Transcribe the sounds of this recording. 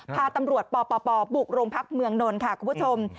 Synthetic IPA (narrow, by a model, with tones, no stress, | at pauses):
pʰaː˧t̪a˧mɾu˨˩ət̪̚pɔː˧pɔː˧pɔː˧bu˨˩k̚ɾoː˧ŋpʰa˦˥k̚mɯ˧əŋno˧nkʰa˥˩kʰuː˧mpʰt͡ɕʰo˧m